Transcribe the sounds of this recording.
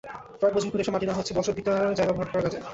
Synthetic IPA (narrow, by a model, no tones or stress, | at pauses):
pɾɔek̚bɔt͡ɕʰoɾkʰoɾeʃɔmaʈinaɦotːt͡ɕʰebɔʃobit̪ad͡ʑajbabʱaɾkɔɾaɾkad͡ʑʰe